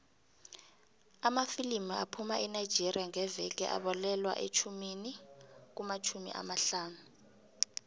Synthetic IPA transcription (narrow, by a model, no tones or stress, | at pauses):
amafilimia̰pʰumaʔɛnajd͡ʒʱiriaŋɛvɛk̬ɛ̰ʔa̰ɓɔlɛlwa̰ʔet͡ʃʰuminik̬umat͡ʃʰumḭʔa̰maɬaːnu